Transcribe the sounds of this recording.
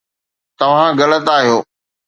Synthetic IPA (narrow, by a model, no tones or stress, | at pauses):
t̪ɐʋ̤ãɡɐlət̪aːɦijoː